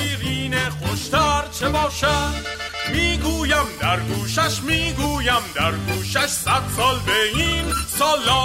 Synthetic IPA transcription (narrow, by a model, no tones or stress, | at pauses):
iːɾiːnexoʃt̪æɾt͡ʃʰebɒːʃæ | miːɡuːjæmd̪æɾɡuːʃæʃmiːɡuːjæmd̪æɾɡuːʃæʃsæd̪sɒːlbeinsɒːlːɒː